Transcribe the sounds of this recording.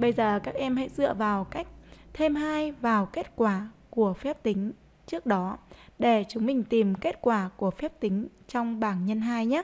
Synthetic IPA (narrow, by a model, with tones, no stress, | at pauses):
ɓə˧jzəː˨˩kaː˦˥k̚ʔɛ˧mha̰˧˥jzɨ̰˧˨əvaː˨˩wka˦˥jk̟̚t̪ʰe˧mhaː˧jvaː˨˩wke˦˥t̚kwaː˧˩ku˧˩əfɛ˦˥p̚t̪ï˨˦ŋ̟ | t͡ɕɨ˦˥ək̚ɗɔ˨˦ɗe˧˩t͡ɕʊ˨˦ŋ͡mmï˨˩ŋ̟t̪i˨˩mke˦˥t̚kwaː˧˩ku˧˩əfɛ˦˥p̚t̪ï˨˦ŋ̟t͡ɕɔ˧wŋ͡mɓaː˧˩ŋɲə˧nɦaː˧jɲaː˦˥